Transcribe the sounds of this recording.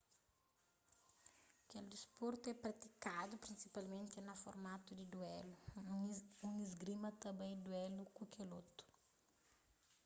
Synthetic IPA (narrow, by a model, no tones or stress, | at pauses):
kɛld̪ispɔɾt̪uɛpɾɐt̪i̥kad̪upɾĩnsipalmẽnt̪ɪnɐfoɾmat̪ud̪id̪uɛlu | uŋizɡɾimɐt̪ɐbɛ̃jd̪uɛlukukʰelot̪u̥